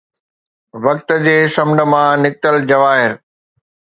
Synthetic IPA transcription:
ʋɐk̚t̪̆d͡ʑeːsɐmɳɖə̆mãnɪk̚t̪əld͡ʑɐʋaːɦɪɾ

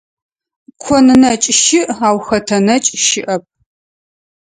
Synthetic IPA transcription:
kʷʰɔnɨnɐt͡ʃʼʃɪʔaːwxɐtʰɐnɐt͡ʃʼʃɪʔɐp̚ʰ

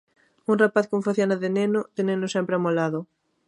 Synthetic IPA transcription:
uŋrapaθkoɱfaθjonaðɪnenʊð̥ɪnenʊsɛmpɾeamolaðʊ

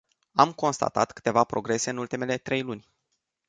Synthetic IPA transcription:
amko̞nst̪a̰t̪a̰t̪kɨ̥t̪e̞vapɾo̞ɡɾe̞se̞ɨnult̪ime̞le̞t̪ɾe̞jlunʲ

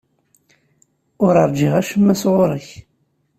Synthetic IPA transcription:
ʊɾəɾˤd͡ʒiʁæʃəmːæsʁʊɾˤəç

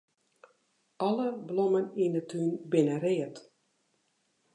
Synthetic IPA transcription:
ʔɔləbloməninətʰyːnbɪnəɾɪət

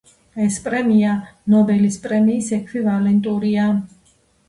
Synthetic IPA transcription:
ɛspʼɾɛmianɔbɛlispʼɾɛmiːsɛkʰvivalɛnt̪ʼuɾia

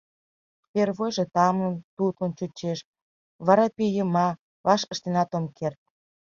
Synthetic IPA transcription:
perβojʒet̪ɑmənt̪ut̪ont͡ɕut͡ɕeʃ | βɑɾɑpejəmɑ | βɑʃəʃt̪enɑt̪omkert̪̚

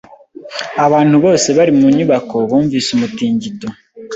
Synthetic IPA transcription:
aβaːn̥huβo̞ːse̞βaɾimuɲuβako̞βuːɱviːsumutiːɲɟito

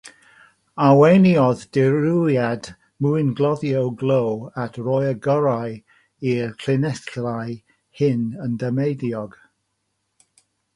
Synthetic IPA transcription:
awejnjɔðd̥ɪɾujad | muɨnɡlˠɔðjowɡlˠowatʰrɔjəɡɔɾaj | ikʰlɪnɛθlaj | hɪnəndəmejðjɔɡ̥

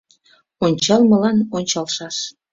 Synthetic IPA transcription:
onʲt͡ɕɑlˠməlɑnonʲt͡ɕɑlʃɑʃ

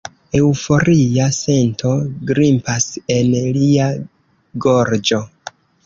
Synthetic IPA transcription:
e̞wfo̞ɾiase̞ntʰo̞ɡɾimpase̞nlia | ɡoɾd͡ʒo̞

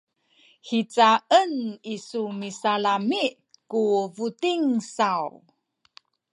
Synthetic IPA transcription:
hit͡saʔənisumisalamiʔ | kuvutiŋsaw

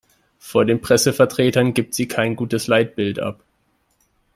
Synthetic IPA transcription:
foːɐdeːnpʁ̥ɛsəfɛɐtʁ̥eːtɐnɡiːp̚tz̥iːkʰaɪnɡuːtəslaɪt̚b̥ɪltʔa̰p

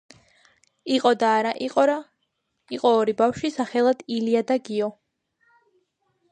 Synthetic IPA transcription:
iqʼɔd̪aːɾaʔiqʼɔɾa | iqʼɔːɾibafʃisaχɛlˠad̪̥iliad̪aɡiɔ

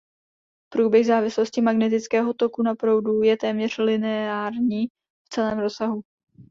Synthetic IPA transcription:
pɾuːbjɛɣzaːvɪslo̞scɪmaɡnɛt̪̬ɪt͡skɛːɦo̞t̪o̞kunapɾo̞wdujɛt̪ɛːmɲɛr̝̥lɪnɛaːɾɲiː | ft͡sɛlɛːmɾossaɦu

